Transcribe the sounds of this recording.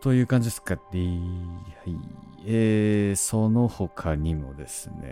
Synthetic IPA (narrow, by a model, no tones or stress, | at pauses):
t̪o̞jɯ̟ːkãɲ̟d͡ʑid̪eskaɾihai | eːso̞no̞ho̞kʰaɲ̟imo̞̰d̪e̞sɨnḛ